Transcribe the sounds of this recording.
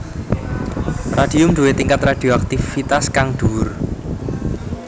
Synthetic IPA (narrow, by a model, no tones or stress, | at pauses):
rad̥i̤ʊmd̥uwet̪iŋkat̪rad̥i̤oak̚t̪ifit̪askaŋɖ̪̥uʊr